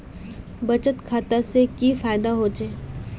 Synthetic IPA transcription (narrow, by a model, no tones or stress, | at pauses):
bɐt͡ʃət̪kʰaːt̪asekifaːɪd̪aɦoːt͡ʃeː